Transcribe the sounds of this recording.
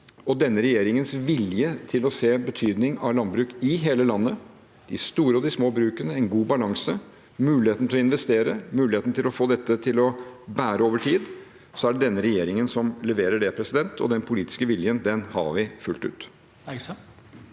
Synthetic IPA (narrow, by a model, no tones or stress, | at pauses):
ɔd̪ɛnːəɾɛjeːɾɪŋənsʋɪljət̪ʰɪlɔseːbət̪ʰyːd̪nɪŋɑʋlɑn̚bɾʉːkɪɦeːləlɑnːə | d̪̥ɪst̪uːɾəɔd̪ɪsmoːbɾʉːkənəɛnɡuːbɑlɑŋsə | mʉːlɪheːt̪n̩t̪ɪlɔɪnʋɛst̪eːɾəmʉːlɪheːt̪nt̪ʰɪlɔfoːd̪ɛt̪ːət̪ʰɪlɔbæːɾəoːʋəʈʰiːd̪ | sɔæɖɛd̪ɛnːəɾɛjeːɾɪŋənsɔmlɛʋeːɾəɖɛpʰɾɛsɪd̪ɛnt̪ʰɔ̰d̪ɛnpʰʊliːt̪ɪ̥skəʋɪljənd̪ɛnhɑ̰ʋɪfʉlt̪ʉ̰ːt̪